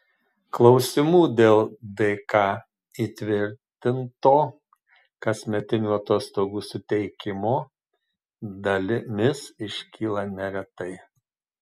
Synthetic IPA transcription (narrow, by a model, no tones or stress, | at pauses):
klˠɒʊsʲɪmuːd̪ʲeːlˠd̪ɐɪkɑː | iːt̪ʲʋʲɪɾʲt̪ʲɪnt̪oː | kɐsʲmʲɛt̪ʲɪnʲuːɐt̪oːst̪oːɡuːsʊt̪ʲɛɪkʲɪmoː | d̪ɐlʲɪmʲɪsɪʃʲkʲiːlˠɐnʲɛɾʲɛt̪ɐɪ